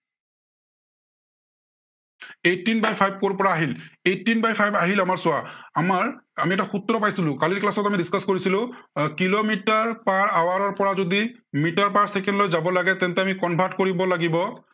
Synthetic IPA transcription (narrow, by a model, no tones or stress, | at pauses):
etːinbajpʰajb̚koɹpɔɹaːɦiletːinbajpʰajbaɦilamaɹsʊwaamaɹamiɛtaxut̪ɹɔpajsilʊ̃kaliɹklasɔtamidiskaskoɹisilʊ̃kilomitaɹpaɹawaɹɔɹpɔɹazodimitaɹpaɹsɛkɛndlojzabɔlaɡɛt̪ɛntɛamikɔnbʱatkoɹibɔlaɡibɔ